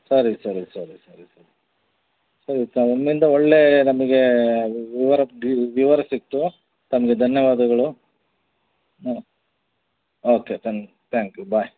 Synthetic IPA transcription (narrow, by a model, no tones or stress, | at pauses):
sɐɾisɐɾisɐɾisɐɾisɐɾii | sɐɾit̪ɐɐmind̪ɐoɭːe̞nɐmɐɡe̞ʋiʋɐɾɐiʋiʋɐɾɐsikt̪ːu | t̪ɐmɐɡe̞d̪ʱɐnjɐʋaːd̪ɐɡɐɭu | oːket̪ɐn | t̪ʰaːŋkjubaj